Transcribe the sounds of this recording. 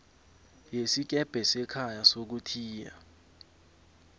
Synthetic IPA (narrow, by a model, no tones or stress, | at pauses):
jesik̬ɛb̥ʱɛsɛkʰajasok̬utʰiːja̰